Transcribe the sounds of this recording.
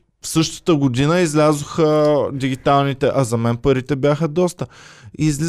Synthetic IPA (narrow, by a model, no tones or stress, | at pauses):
fsɤʃt̪ə̥t̪əɡod̪inəizlʲazʊxəd̪iɡʲit̪alˠnit̪ɛʔɐzɐmɛnpəɾit̪ɛbʲjaxəd̪ɔst̪əizl